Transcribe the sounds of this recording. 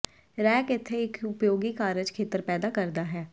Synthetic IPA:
ɾɛːkɪt̪ʰːeɪkʰʊpjoːɡikaːɾəd͡ʒkʰeːt̪əɾpɛːd̪aːkəɾd̪aːɦɛː

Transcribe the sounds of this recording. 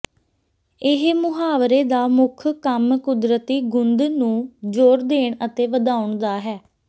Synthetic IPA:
ɪɦmʊɦaːʋɾeːd̪aːmʊkʰkəmkʊd̪ɾət̪iːɡʊnd̪nũːd͡ʒoːɾd̪eːɳət̪eːʋəd̪aːʊɳd̪aːɦɛː

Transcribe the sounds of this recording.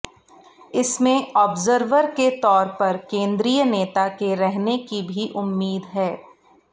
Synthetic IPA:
ɪsmẽɔːbzəɾʋəɾket̪ɔːɾpɐɾkẽːnd̪ɾijəneːt̪akeɾɛɦnekibʱiʔʊmːiːd̪ɦɛː

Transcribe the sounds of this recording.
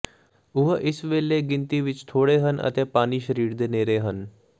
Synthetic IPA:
uɦəʔisʋeːlːeɡint̪iʋit͡ʃt̪ʰoːɽeɦənə̰t̪epaːniːʃɾiːɽd̪eneːɾeɦən

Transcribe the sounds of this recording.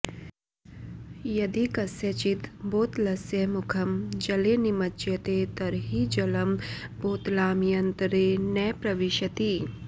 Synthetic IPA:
jɐd̪ikɐsjɐt͡ʃit̪boːt̪lɐsjɐmʊkʰɐmd͡ʒɐlenimɐt͡ʃjɐt̪et̪ɐɾɦid͡ʒɐlɐmboːt̪laːmijɐnt̪ɾeːnɐːpɾɐʋɪʃɐt̪iː

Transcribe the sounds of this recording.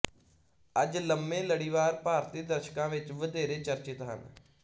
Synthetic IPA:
əd͡ʒləmːẽːləɽiːʋaːɾpaːɾt̪iːd̪əɾʃkãːʋɪt͡ʃʋəd̪eːɾeːt͡ʃəɾt͡ʃɪt̪ɦə̰n

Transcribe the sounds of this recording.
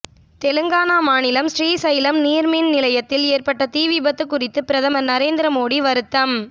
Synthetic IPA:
t̪ɛlɯŋɡaːnaːmaːnɪlɐmsɾiːsɐjɪlɐmniːɾminnɪlɐjɐt̪ːɪleːrpɐʈːɐt̪iːʋibɐt̪ːɯkːʊrɪt̪ːɯpɪɾɐðɐmɐnɐɾeːnd̪ɾɐmoːɽiʋɐɾɯt̪ːɐm

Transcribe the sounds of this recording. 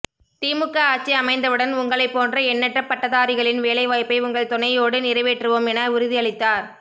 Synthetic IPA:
t̪iːmɯkːɐaːt͡ʃːiɐmɐɪnd̪ɐʋɯɽɐnʊŋɡɐɭɐɪpːoːndrɐɛnːɛʈrɐpːɐʈːɐðaːɾɪɣɐɭɪnʋeːlɐɪʋaːjpːɐɪʊŋɡɐɭt̪ɔnɐjoːɽɯnɪrɐɪʋeʈːrɯʋoːmɛnɐʊɾʊðɪjɐɭɪt̪ːaːɾ

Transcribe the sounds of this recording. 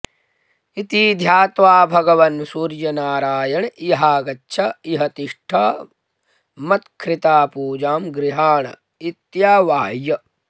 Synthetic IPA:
it̪iːd̪ʱjaːt̪ʋaːbʱɐɡɐʋɐnsuːɾjɐnaːɾaːjɐɳiɦaːɡɐtːʃʰɐiɦɐt̪iʂʈʰɐ | mɐt̪kʰɾit̪aːpuːd͡ʒaːmɡɾiɦaːɳɐ̰ | it̪jaːʋaːjɐ

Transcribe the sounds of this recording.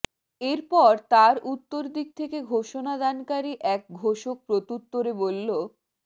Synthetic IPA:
eɾpɔɾt̪aɾʔut̪ːoɾd̪ik̚t̪ʰekeɡʱoʃonad̪ankaɾiʔɛk̚ɡʱoʃok̚pɾot̪ut̪ːoɾebolːo

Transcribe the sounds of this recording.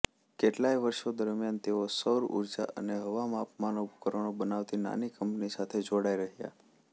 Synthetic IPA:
keʈlaiʋəɾʃod̪əɾmjant̪eosəwɾṵɾd͡ʒa̰ʔə̰neɦəʋamapmanokəɾəɳ̃obənaʋt̪ina̰nikəmpnisat̪ʰed͡ʒoɽaiɾəɦija̰

